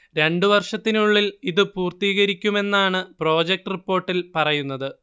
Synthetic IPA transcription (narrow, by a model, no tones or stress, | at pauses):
ɾe̞ɳɖɨʋɐrʂɐt̪ːinuɭːiliðɨpuːrt̪iːɣɐɾikʲːume̞nːaːɳɨpro̞ːd͡ʑek̚ʈripːo̞ːrʈːilpɐrɐjunːɐðɨ